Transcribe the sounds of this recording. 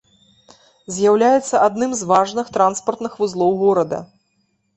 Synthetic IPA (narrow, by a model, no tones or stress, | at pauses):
zʲjawlʲajɛt̪sːɐʔad̪nɨmzvaʐnɨxt̪ɾanspɐrt̪nɨxvuzlˠɔwɣɔɾɐd̪ɐ̰